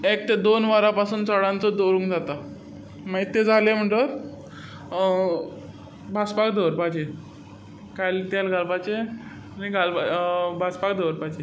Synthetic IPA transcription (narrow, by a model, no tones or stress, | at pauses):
ek̚t̪ed̪onʋaɾapasuːnt͡sɔɽãnt͡sɔd̪oɾũːŋkd͡zat̪a | mait̪ːed͡zalem̤əɳʈəɾ | bʱaspakd̪ʱoɾpad͡ʑe | kajlit̪jalɡʱalpat͡ɕe | niɡʱalabʱaspakd̪ʱoɾpajd͡ʑe